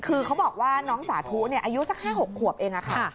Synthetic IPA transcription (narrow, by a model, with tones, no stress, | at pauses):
kʰɯː˧kʰa˦˥wbɔː˨˩k̚waː˥˩nɔː˦˥ŋsaː˩˦t̪ʰu˦˥ni˥˩ɐʔaː˧ju˦˥sa˨˩k̚haː˥˩ho˨˩kʰːu˨˩əp̚ʔeː˧ŋʔa˨˩kʰa̰˧˩